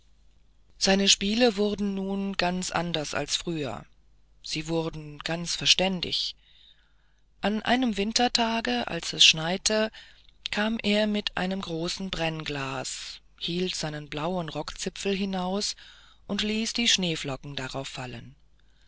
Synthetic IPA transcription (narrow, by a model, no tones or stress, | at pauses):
z̥aɪnəʃpiːləvʊʁdn̩nuːnɡant͡sʔa̰ndɐsa̰lsfʁ̥yːɐ̰ | z̥iːvʊʁdn̩ɡ̥ant͡sfɛɐʃtɛndɪ̰ç | ʔanʔa̰ɪnəmvɪntʰɐtʰaːɡəʔa̰lsɛsʃnaɪtʰəkʰaːmʔeːɐmɪtʰʔa̰ɪnəmɡʁoːsn̩bʁɛnɡlaːs | hiːltz̥aɪnənblaʊənʁɔkt͡sɪpfl̩ɦɪnaʊs | ʔʊntliːsd̥iːʃneːflɔkŋ̩daʁaʊfalə̰n